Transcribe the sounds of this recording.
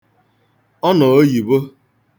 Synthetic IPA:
ɔ˦nɔ˨o˦ji˨bo˦

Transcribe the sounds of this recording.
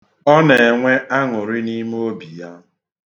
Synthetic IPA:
ɔ˦ne˨ŋʷe˦ʔa˦ŋʊ˨ɾɪ˦ni˦m˦o˦bi˨ja˦

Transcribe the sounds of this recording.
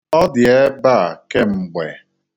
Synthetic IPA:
ɔ˦dɪ˨e˦ba˦˨ke˦ŋ͡m̩˨ɡ͡bḛ˨

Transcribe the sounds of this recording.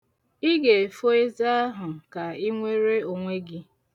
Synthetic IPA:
ɪ˦ɡe˨fo˦e˦za˦a˦ɦʊ˨ka˨i˦ŋʷe˦ɾe˦o˨ŋʷe˦ɡɪ˦

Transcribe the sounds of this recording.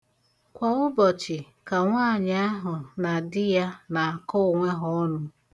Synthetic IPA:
kʷɔ˨ŋʊ˦bɔ˨t͡ʃɪ˨ | ka˨ŋʷaː˦˨ɲ˦a˦ɦʊ˨na˨dɪ˦ja˦na˨a˨kɔ˦ʊ˨ŋʷe˦ɦɔ˦ɔ˦nʊ˦

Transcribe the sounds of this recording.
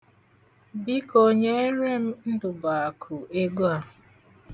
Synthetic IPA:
bi˦ko˦ɲe˦e˦ɾe˦m̩˦n̩˦dʊ˨ba˨kʰʊ˨ʔe˦ɡu˦a˦

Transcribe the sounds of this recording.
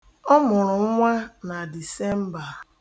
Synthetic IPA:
ɔ˦mʊ˨ɾʊ˨˦ŋʷa˦na˨di˨se˦m̩˦ba˨ɾ

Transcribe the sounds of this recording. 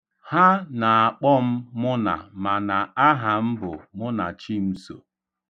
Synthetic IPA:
ha˦na˨a˨k͡pɔ˦m̩˦mʊ˦na̰˨ma˨na˨a˦ɦa˨m̩˦bʊ˨mʊ˦na˨t͡ʃi˦m̩˦so̰˨

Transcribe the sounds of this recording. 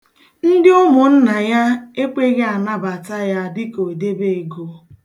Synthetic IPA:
n̩˦dɪ˦ʊ˦mʊ˨n̩˦na˨ja˦e˦k͡pe˦ɣe˦a˨na˦ba˨ta˦ja˦dɪ˦ko˨de˦be˦e˨ɡo˨

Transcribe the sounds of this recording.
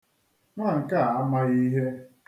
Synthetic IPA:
ŋʷa˦˨ŋ̩˨ka˦˨a˦ma˦i˦ɦe˦

